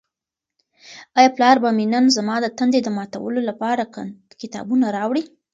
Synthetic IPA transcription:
ɑjɑplɑɾbaminənzamɑd̪ət̪and̪ed̪əmɑt̪a̰wə̰lolapɑɾa | kɪt̪ɑ̰bunaɾɑwɽi

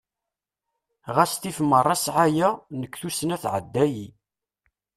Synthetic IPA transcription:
ʁæst̪ifmːərˤːɑsʕajænəkʷːθusənæθʕə̰d̪ːæji

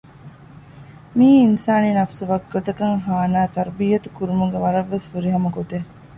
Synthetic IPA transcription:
miːinsaːninɐfsuʋɐkɡot̪ɐkɐŋɦaːnaːt̪ɐɾbijɐt̪ukuɾumuɡeʋɐɾɐʋːesfuɾiɦɐmɐɡot̪e

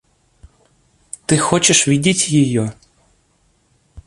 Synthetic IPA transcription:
t̪ɪxɔt͡ʃeʃʋʲidʲitʲjijɔ

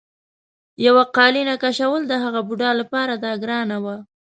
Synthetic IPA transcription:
jawaqɑlinakaʃawəld̪əɦaɣabuɖɑlapɑɾad̪ɑɡɾɑnawa

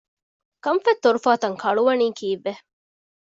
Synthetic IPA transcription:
kɐmfɐt̪ːoɾufaːt̪ɐŋkʰɐɭuʋɐniːkiːʋːe

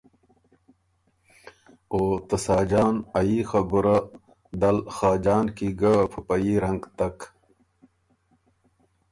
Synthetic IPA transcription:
oːt̪ɐsaːd͡ʑaːnɐixɐbuɾɐ | d̪ɐlxaːd͡ʑaːnkiɡɐpʰupɐiɾɐŋɡt̪ɐk

